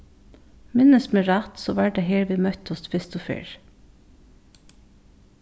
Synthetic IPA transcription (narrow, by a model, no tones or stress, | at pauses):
mɪnəsmeːɾɑt̪soːʋæɖeːheːɾʋiːmœt̪ɔsfʰɪst̪ʊfḛːɹ